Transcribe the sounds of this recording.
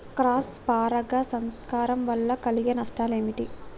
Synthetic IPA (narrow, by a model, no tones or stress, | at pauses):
kɾaːspaːɾɐɡɐsɐmskaːɾɐmʋɐlːɐkɐliɡenɐsʈaːleːmiʈi